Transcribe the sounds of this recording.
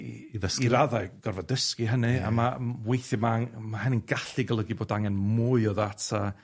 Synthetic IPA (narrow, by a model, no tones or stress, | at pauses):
iiðəsiɾaðaɨɡ̥ɔrvadəskiɦənɨa̰mawejθjɨmaŋmahəninɡaɬiɡəlˠəɡiboːdaŋɛnmuːɨɔðatʰa